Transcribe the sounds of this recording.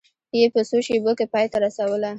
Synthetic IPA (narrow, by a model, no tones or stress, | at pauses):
jepəsoʃebokepɑjt̪aɾasawəla